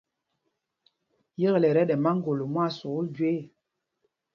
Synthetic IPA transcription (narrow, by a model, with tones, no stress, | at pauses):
jə˦ɣlɛ˨ɾɛ˨˦ɗɛ˨ma˦ŋ˦ɡo˨lo˨mwa˦˨so˨u˦ld͡ʒwe˦˨